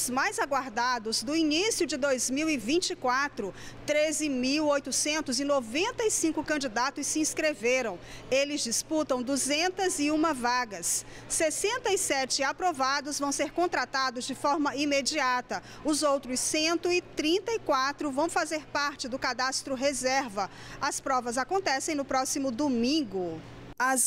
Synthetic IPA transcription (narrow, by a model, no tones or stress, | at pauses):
ʊzmajzaɡwaɾd̪ad̪ʊzd̪ʊinisijʊd͡ʒɪd̪ojzmiwɪvĩt͡ʃikwat̪ɾʊt̪ɾezɪmiwojt̪ʊsẽnt̪ʊzɪnovẽnt̪ɐisĩŋkʊkɐ̃d͡ʒid̪at̪ʊsːɪĩskɾeveɾɐ̃w̃elɪzd͡ʒisput̪ɐ̃w̃d̪uzẽnt̪ɐzɪũmɐvaɡɐsː | esẽnt̪ɐisɛt͡ʃɪapɾovad̪ʊzvɐ̃w̃seɾkõnt̪ɾat̪ad̪ʊzd͡ʒɪfɔɾmɐimed͡ʒiat̪ɐ | ʊzowt̪ɾʊsːẽnt̪ʊɪt̪ɾĩnt̪ɐikwat̪ɾʊvɐ̃w̃fazeɾpaɾt͡ʃɪd̪ʊkad̪ast̪ɾʊɦezɛɾvɐ | ɐspɾɔvɐzakõnt̪ɛsẽj̃nʊpɾɔsimʊd̪omĩɡʊ | ɐz